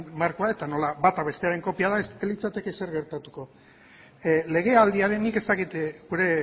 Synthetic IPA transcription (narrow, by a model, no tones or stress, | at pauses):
maɾkoae̞t̪ano̞labat̪aβe̞st̪e̞aɾe̞ŋko̞piað̞aeselit͡sat̪e̞ke̞se̞ɾɣe̞ɾt̪at̪uko̞ | le̞ɣ̞e̞ald̪iaɾenike̞st̪akit̪ɡuɾe̞